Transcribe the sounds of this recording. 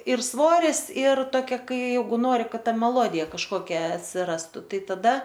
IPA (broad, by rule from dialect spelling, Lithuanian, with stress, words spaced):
ɪr ˈsʋoːrʲɪs ɪr toːˈkʲɛ ˈkɐɪ ˈjɛɪɡʊ ˈnoːrʲɪ ˈkɐt ˈtɐ mʲɛˈlˠoːdʲɪjɛ kɐʃˈkoːkʲɛ ɐtʲsʲɪˈrɑːstʊ ˈtɐɪ tɐˈdɐ